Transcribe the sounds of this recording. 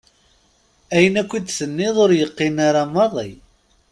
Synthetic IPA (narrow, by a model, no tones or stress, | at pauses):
æjənækʷːid̪sənːiðˤoɾjəqːɪnaɾamːɑðˤḭ